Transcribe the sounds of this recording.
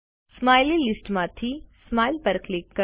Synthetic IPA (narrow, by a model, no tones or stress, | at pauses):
smaːjlilɪsʈmãːt̪ʰismaːjlpɐɾklɪkːɐ